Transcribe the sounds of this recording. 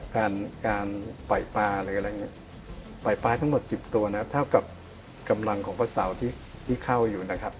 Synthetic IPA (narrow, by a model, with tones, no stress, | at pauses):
kaː˧nkaː˧npa˨˩jpaː˧la˧˩˥ɾa˧jŋi˧˩˥ | pa˨˩jpaː˧t̪ʰa˦˥ŋmo˨˩t̪̚si˨˩p̚t̪u˧ɐna˦˥kʰp̚t̪ʰa˥˩wka˨˩p̚ | ka˧mla˧ŋkʰɔː˩˦ŋpʰaː˧˥sa˩˦wt̪ʰiː˥˩ | t̪ʰiː˥˩kʰa˥˩wjuː˨˩na˦˥kʰa˦˥p̚